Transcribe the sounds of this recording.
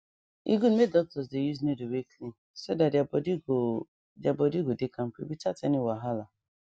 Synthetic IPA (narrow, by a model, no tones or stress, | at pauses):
ḭɡun̩medɔk̚tɔsdejuznedoweklin | sodadd | dabɔdiɡodekam̩pḭbitataniwaɦala